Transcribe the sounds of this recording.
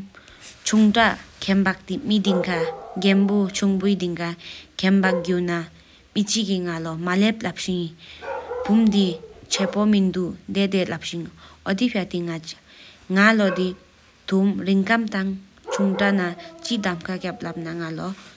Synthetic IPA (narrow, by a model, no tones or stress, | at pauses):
t͡ɕʰuŋʈ͡ʂaʔkʰɛmbak̚t̪imid̪iŋkʰaɡɛnpot͡ɕʰuŋpud̪iŋkakʰɛnbaɡuna | mit͡ɕikiŋalɔmalep̚lap̚ɕiŋ | pumd̪it͡ɕʰɛpɔmind̪uʔnd̪et̪ɛlap̚ɕiŋɔt̪ipʰat̪iŋa | ŋalɔd̪i | t̪ʰumriŋkamt̪aŋ | t͡ʃʰuŋʈ͡ʂaʔnat͡ɕiʔd̪amkʰakap̚lap̚naŋalɔ